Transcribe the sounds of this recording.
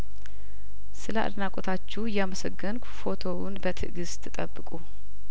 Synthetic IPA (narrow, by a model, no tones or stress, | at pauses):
sɨləʔa̰d̪nakʼot̪ʰat͡ʃːɛjɛaməsəɡːənkfo̞t̪ʰo̞wunbət̪ʰɨ̰ɡɨst̪ʰːɨt̪ʼəbːɨkʼu